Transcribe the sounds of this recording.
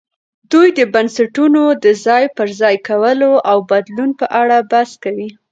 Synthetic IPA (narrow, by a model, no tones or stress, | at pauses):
d̪ujd̪əbansaʈunod̪əzɑjpəɾzɑjkawəloʔawbad̪lunpəʔaɽabaskawi